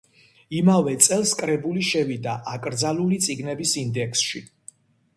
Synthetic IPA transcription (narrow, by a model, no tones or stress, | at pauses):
imavɛt̪sʼɛlˠskʼɾɛbuliʃɛvid̪aʔakʼɾd̪zalulit̪sʼiɡnɛbisind̪ɛkʰsʃi